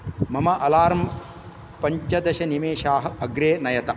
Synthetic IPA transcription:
mɐmɐʔɐlaːɾɐm | pɐɲt͡ʃɐd̪ɐʃɐnimeːʃaːɦɐ̆ɐɡɾeːnɐjɐt̪ɐ

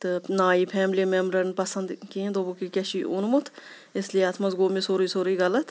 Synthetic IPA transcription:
t̪ɨnaːipʰɛːmlimemɾɐnpɐsɐnd̪kiẽnd̪oːbukikeʃiʔʊnmut̪ʰ | ɪslieɐt̪ʰmɐzɡoːmesoɾiːsoɾiːɡɐlɐt̪ʰ

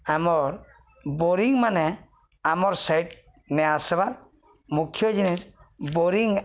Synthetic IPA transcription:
amɔɾ | bɔɾiŋmanɛ | amɔɾsajʈ | nɛasɛβaɾ | mukʰjɔd͡ʒinisboɾiŋ

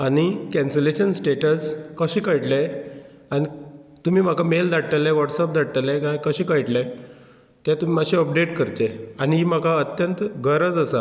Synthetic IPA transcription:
añikɛ̃nseleɕənsʈeʈəskəɕĩkəjʈlɛ | anit̪um̤iːm̤akameld̪aʈ̚ʈ̪əlɛ̃ʋɔʈsɔp̚d̪aɽʈ̪əlɛkajkəɕĩkəjʈlɛ̃ | t̪ɛ̃t̪um̤imaɕiɔp̚ɖeʈkəɾt̪eaniim̤akaət̪jənt̪ɡʱəɾəd͡zəsa

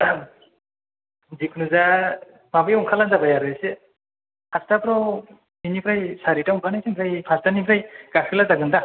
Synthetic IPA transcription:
zikʰnuza | mabɯjɔŋkʰalanzabajaɾɯse | pastapɾɔw | ɦinipɾajsaɾitauŋkʰanajsʰempʰɾajpʰastanipʰɾajɡakʰɯlazaɡɯnda

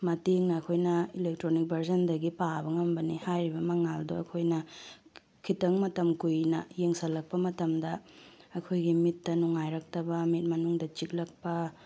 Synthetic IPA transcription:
mɐteŋnɐːkʰojnɐilek̚tɾonik̚bʱɐɾzɐndɐɡipabɐŋɐmbɐnihajɾibɐmɐŋaldoɐ̰kʰojnɐ | kʰitɐŋmɐtɐmkujnɐ̰jeŋsɐlːɐk̚pɐmɐtɐmdɐɐkʰojɡimitːɐnuŋajɾɐk̚tɐbɐmit̚mɐnuŋdɐt͡ʃik̚lɐk̚pɐ

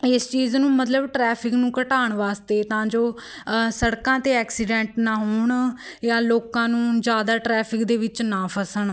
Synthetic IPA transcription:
ɪst͡ʃiːznũːmət̪ləbʈɾɛːpʰɪknũːkəʈaːɳʋaːst̪eːt̪ãːd͡ʒoː | səɽkãːt̪eːɛːksɪɖɛ̃ːɳʈnaːɦoːɳ | jãːloːkãːnũːd͡ʒjaːd̪aːʈɾɛːpʰɪkd̪eːʋɪt͡ʃnaːpʰəsəɳ

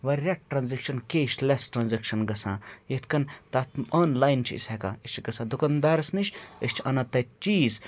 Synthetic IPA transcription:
ʋɐɾɾʲɐʈʈɾɐnzɐkʃɐnkeːʃlesʈɾɐnzɐkʃɐnɡɐsã̰ːjet̪ʰkɐnt̪aːt̪ʰmɐːnlaːjnt͡ʃʰiḭsʲheka̰ːiʃt͡ʃʰiɡɐsãːd̪ukɐnd̪aːɾɐsniʃʲəʃt͡ʃʰɐnat̪ɐt͡ʃiːz

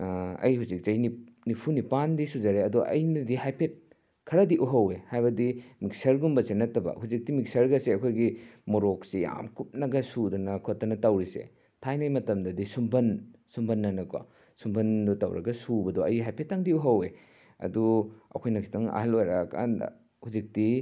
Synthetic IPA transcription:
ɐ̰jhuzik̚zɐjni | nipʰunipandisud͡ʒɐɾeɐduʔɐ̰jnɐdihajpʰet̚ | kʰɐɾɐdiʔuɦɐwehajbɐdimik̚sɐɾɡumbɐsenːɐtːɐbɐ̰huzik̚dimik̚sɐɾɡɐseɐkʰojɡimoɾok̚sia̰mkup̚nɐɡɐsudɐnɐkʰotːɐnɐtɐwɾisḛ | tʰajnajmɐtɐmdɐdisumbɐnsumbɐnːɐnɐkwa̰ | sumbɐndɔtɐ̰wɾʔɐ̰ɡɐsubɐdɔɐ̰jɦajpʰetːaŋdiuɦɐwe | ɐ̰duɐ̰kʰojnɐkʰi̥tʰɐŋɐ̰ɦɐlojɾaka̰nd̰ | huzik̚di

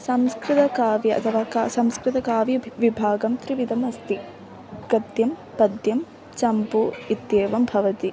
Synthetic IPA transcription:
sɐmskɾɪt̪ɐkaːʋjɐʔɐ̰t̪ʰɐʋaːkasɐmskɾɪt̪ɐkaːʋjɐʋibʱaːɡɐmt̪ɾiʋid̪ʱɐmɐst̪i | ɡ̥ɐd̪jɐm | pɐd̪jɐm | t͡ʃɐmpuit̪jeːʋɐmbʱɐʋɐt̪i

